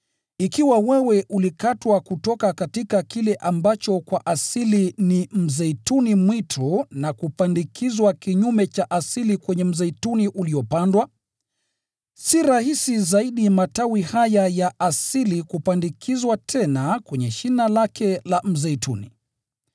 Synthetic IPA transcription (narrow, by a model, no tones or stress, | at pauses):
ikiwawɛwɛʔulikatwakutɔkakatikakilɛʔambat͡ʃɔkwaʔasilinim̩zɛitunimwitʰunakupandikʰizwakiɲumɛt͡ʃaʔasilikwɛɲɛm̩zɛituniʔuliɔpandwa | siɾahisizaiɗimatawihajajaʔasilikupandikʰizwatʰɛnakwɛɲɛʃinalakʰɛlam̩zɛitʰṵnḭ